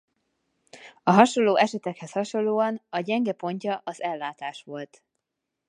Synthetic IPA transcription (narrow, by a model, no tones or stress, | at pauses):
ɒɦɒʃo̞lːoːʔɛʃɛt̪ɛkhɛshɒʃonloːɒnɒɟɛŋɡɛpo̞ɲcɒʔɒzɛlːaːt̪aːʃʋo̞lt̪